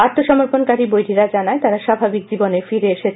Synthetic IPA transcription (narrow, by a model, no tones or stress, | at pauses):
at̪ːoʃɔmoɾponkaɾibojɾiɾad͡ʑanaet̪aɾaʃabʱabik̚d͡ʑibonefiɾeeʃet͡ɕʰ